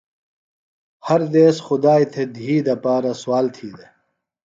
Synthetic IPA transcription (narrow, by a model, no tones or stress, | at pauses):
hɐɾd̪eːsxʊd̪aːit̪ʰed̪ʱiːd̪ɐpaːɾɐswaːlt̪ʰiːd̪e